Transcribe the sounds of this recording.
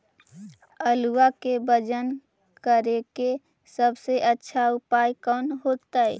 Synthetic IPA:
əluwakebəd͡ʒən | kəɾeke | səbseʔətːʃʰaʊpaːjkɔːnɦoːt̪aɛ̰

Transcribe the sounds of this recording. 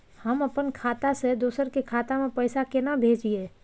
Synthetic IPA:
hɐmɐpənkʰaːt̪ased̪oːsəɾkekʰaːt̪amẽpɛɪsakɪnabʱeːd͡ʒieː

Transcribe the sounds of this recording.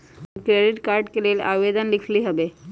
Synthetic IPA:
kɾeɖiʈkaɾɖkelela̰ʋed̪ənlikʰliːɦəʋe

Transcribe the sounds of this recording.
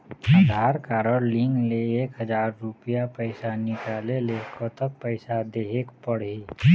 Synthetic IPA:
əd̪ʱaːɾkaːɾɔɾlɪ̃ŋɡleeːkɦəd͡ʒaːɾːʊpijapɛɪsanɪkaːleleːkot̪ək̚pɛːɪsad̪eːɦeːkpəɽe

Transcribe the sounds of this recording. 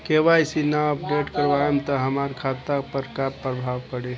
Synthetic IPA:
keʋajsinaəpɖeʈkəɾʋaemt̪ɔɦəmaɾkʰat̪apəɾkapɾəbʱaʋpəɽe

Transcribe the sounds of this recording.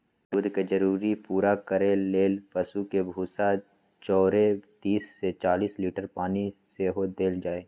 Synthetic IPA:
d̪ʊd̪ʱked͡ʒɐɾuːɾipuːɾakəɾeleːlpɐsukebʱuːsa | t͡ʃɔːɾet̪iːsːet͡ʃaːliːsliːʈəɾpaːniseɦod̪eːld͡ʒaːeː

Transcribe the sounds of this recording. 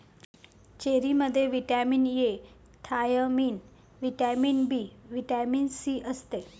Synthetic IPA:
t͡ɕeɾiməd̪ʱːjeʋiʈaminje | t̪ʰajəmin | ʋiʈamiːnbʱiːʋiʈaminsiːʔəst̪e

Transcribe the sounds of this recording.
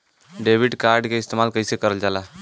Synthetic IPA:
ɖeʋiɖkaɾɖkeist̪emalkəjsekəɾəld͡ʒala

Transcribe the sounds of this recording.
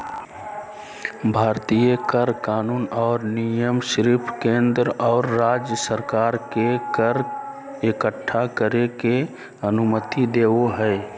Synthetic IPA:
bʱaːɾt̪ijəkəɾkaːnuːnɔːɾnijəmʃɾiːpʰkẽːnd̪ɾɔːɾːaːd͡ʒjəsəɾkaːɾkekəɾ | ekəʈʰːakəɾeke | ənʊmət̪id̪eːoɦɛː

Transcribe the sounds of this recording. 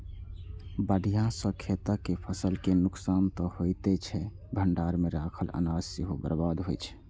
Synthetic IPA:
bəɖijãsə̃kʰet̪akepʰəsəlkenʊksaːnt̪ɔhojt̪et͡ʃʰɛ | bʱəɳɖaɾmeɾakʰəlʔə̰nad͡ʒsiɦobəɾbad̪ɦojt͡ʃʰ

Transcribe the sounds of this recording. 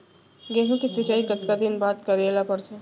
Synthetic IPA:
ɡeɦũkisɪt͡ʃaːikət̪kad̪ɪnbaːt̪kəɾelapəɾt͡ʃʰe

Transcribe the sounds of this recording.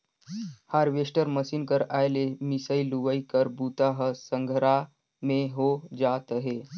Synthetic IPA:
haɾʋesʈəɾməsiːnkəɾajlemisəiluʋəikəɾbuːt̪aɦəsə̃ŋɡʱɾa | mẽɦod͡ʒat̪əɦe

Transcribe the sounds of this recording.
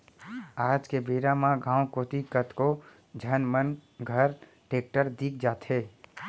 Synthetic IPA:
aːd͡ʒkebeːɾamãɡãːwkoːt̪ikət̪ʰko | d͡ʒʱənmənɡʱəɾ | ʈeːk̚ʈəɾd̪iːk̚ʰd͡ʒaːt̪ɦeː

